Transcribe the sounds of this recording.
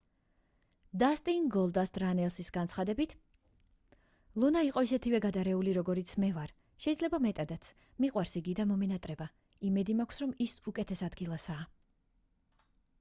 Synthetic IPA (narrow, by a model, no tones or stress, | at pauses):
d̪ast̪ʼinɡɔlˠd̪asd̪ʼɾanɛlˠsisɡant̪sʰχad̪ɛbit̪ʰ | lˠunaiqʼɔisɛt̪ʰivɛɡad̪aɾɛuliɾɔɡɔɾit̪sʰmɛvaɾ | ʃɛid̪zlɛbamɛt̪ʼad̪at̪sʰ | miqʼwaɾsiɡid̪amɔmɛnat̪ʼɾɛba | imɛd̪imakʷʰsɾɔmisukʼɛt̪ʰɛsad̪ɡilˠasaː